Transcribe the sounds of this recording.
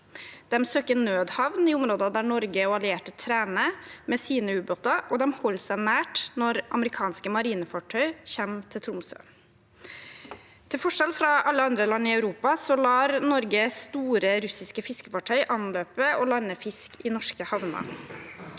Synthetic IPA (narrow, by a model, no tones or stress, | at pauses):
d̪̥ɛmsøːkənøːd̪hɑʋnɪʊmɾoːd̪əɑd̪æɳɔɾɡəɑlɪeːʈət̪ʰɾæːnəmɛːsiːnəʉːboːt̪ɑʔɔd̪ɛmhɔlːsæɪnæːʈnɔɾʔɑ̰məɾɪkʰɑːnskəmɑɾiːnəfɑʈʰœʏçɛmt̪ʰɪlt̪ʰɾʊmsø̰ː | t̪ʰɪlfɔʂɛlfɾɑʔɑlːəɑnd̪ɾəlɑnːɪɑʉɾuːpɑsɔlɑːɾnɔɾɡəst̪uːɾəɾʉsɪskəfɪskəfɑʈʰœʏʔɑnløːpəɔlɑnːəfɪskɪnɔʂkəhɑʋnɑ̰